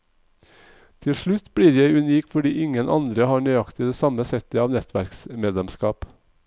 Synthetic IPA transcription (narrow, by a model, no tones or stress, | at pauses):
t̪ʰɪlʃɭʉt̪bɽiːɾjæɪʉniːkfɔɖiːʔɪŋənʔɑ̰nd̪ɾəhɑːɳœʏɑkt̪ɪd̪eːsɑməsɛt̪əɑːʋnɛt̪ʰʋæɾksmeːd̪lɛmskɑːp